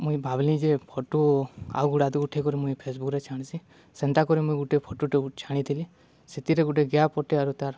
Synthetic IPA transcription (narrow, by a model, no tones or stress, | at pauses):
mũĩbʱablĩd͡ʒepʰɔʈua̰wɡuɽad̪uɡuʈʰekɔɾimũĩpʰesbukɾet͡ʃʰaɽ̃si | sɛnt̪akɔɾimũĩɡuʈepʰɔʈuʈet͡ʃʰaɽ̃it̪ʰili | set̪iɾeɡuʈeɡjapɔʈeaɾut̪aɾ